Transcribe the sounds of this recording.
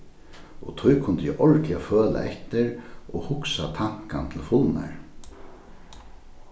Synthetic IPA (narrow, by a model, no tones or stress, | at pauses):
ɔt̪ʰɔjkʰʊnt̪jɛʔɔɻkʰlaføːla̰ʔɛht̪ɪɾɔhʊksat̪ʰaŋ̥kant̪ʰɪlfʊlna̰ɹ